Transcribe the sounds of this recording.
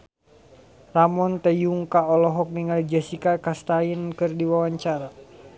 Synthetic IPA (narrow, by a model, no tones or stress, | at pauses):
ramɔnt̪ɛjuŋkaɔlɔɦɔk̚niŋald͡ʒasikakast̪ainkɨrdiwawaɲt͡ʃaɾa